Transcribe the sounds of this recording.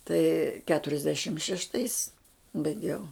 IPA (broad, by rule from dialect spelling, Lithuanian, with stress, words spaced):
tɐɪ kʲɛtʊrʲɛzʲˈdʲæːʃʲɪm ʃʲɛʃˈtɐɪs bɐɪˈɡʲɛʊ